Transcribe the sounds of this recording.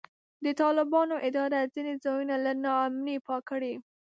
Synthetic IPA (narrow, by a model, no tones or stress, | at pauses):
d̪ət̪ɑlɪbɑnoʔɪd̪ɑɾazined͡zɑjunalanɑamnipɑkəɽi